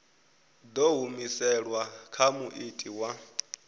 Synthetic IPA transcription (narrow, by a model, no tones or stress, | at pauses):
d̪ɔɦumisɛɺwakʰamuʔitʼiwa